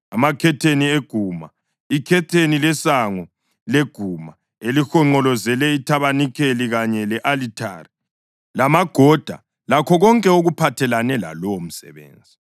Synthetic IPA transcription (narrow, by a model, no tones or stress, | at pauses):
amakʰɛtʰenieɡ̥ʱuma | ikʰɛtʰenilɛsaŋɔ | leɡ̥ʱuma | elixɔŋ͡ǃɔlɔzɛlɛitʰaβanikʰeliɣaɲɛlɛʔalitʰa̰ri | lamaɡ̥ʱɔd̥ʱa̰ | lakʰɔɣɔŋkʼɛoɣupʰatʰɛlanɛla̰lɔwom̩sɛ̰βḛːnd͡zʱi